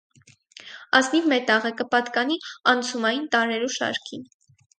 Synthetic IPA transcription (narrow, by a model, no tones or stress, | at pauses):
ɑsnivmɛt̪ɑʁəkəpɑt̪kɑniɑnt͡sʰumɑjint̪ɑɾɛɾuʃɑ̰ɾkʰin